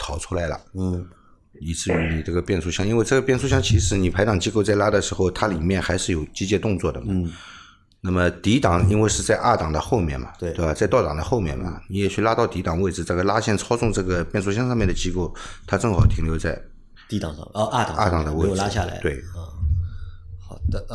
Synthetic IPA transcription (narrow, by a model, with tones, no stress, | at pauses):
t̪ʰɑ˨˩˥ʊʈ͡ʂʰu˥la˧˥ɪlə̰˧˥˩ | i˨˩ʈ͡ʂɻ̩˥˧˩y˧˥ni˨˩ʈ͡ʂɤ˥˩ɡə˩pjɛ˥˩nʂʰu˥˩ɕjɑ˥ŋi˥nwe˥˧ɪʈ͡ʂɤ˥˩ɡə˩pjɛ˥˩nʂʰu˥˧ɕjɑ˥ŋt͡ɕʰi˧˥ʂɻ̩˧˥ni˨˩pʰa˧˥ɪt̪ɑ˨˩ŋt͡ɕi˥ko˥˧ʊt͡sa˥˩ɪla˥d̪ə˨ʂɻ̩˧˥xo˥˧ʊt̪ʰa˥li˨˩mjɛ˥˩nxa˧˥ɪʂɻ̩˥˩jo˨˩ʊt͡ɕi˥t͡ɕjɛ˥˧t̪ʊ˥˧ŋt͡swɔ˥˩d̪ə˩mɐ˨˩ | na˥˩mə˩t̪i˧˥t̪ɑ˨˩ŋi˥nwe˥˧ɪʂɻ̩˥˧t͡sa˥˧ɪʔa˥˩t̪ɑ˨˩ŋd̪ə˦xo˥˧ʊmjɛ̰˥˩nmɐ̰˩we˥t̪wa˨˩t͡sa˥˧ɪt̪ɑ˥˩ʊt̪ɑ˨˩d̪ə̰˦xo˥˧ʊmjɛ̰˥˩nmɐ̰˩ni˧˥jɛ˨˩t͡ɕʰy˥˧la˥t̪ɑ˥˩ʊt̪i˧˥t̪ɑ˨˩ŋwe˥˩ɪʈ͡ʂ̩˩t͡sa˥˩ɡə˧la˥ɕjɛ˥˧nʈ͡ʂʰɑ˥ʊt͡sʊ˥˧ŋʈ͡ʂɤ˥˩ɡə˩pjɛ˥˧nʂʰu˥˧ɕjɑ˥ŋʂɑ˥˧mjɛ˥˩nd̪ə˩t͡ɕi˥ko˥˩ʊt̪ʰa˥ʈ͡ʂɤ˥˩ŋxɑ˨˩ʊt̪ʰi˧˥ŋljo˧˥ʊt͡sa˥˧ɪ | t̪i˧˥t̪ɑ̰˨˩ŋ˥˧a˥˩t̪ɑ̰˨˩ŋa̰˥˩t̪ɑ˨˩ŋd̪ə˦we˥˩la˥ɕja̰˥˧˩la̰˧˥˦twe˥˩ɪ˥˧ | xɑ˨˩də˧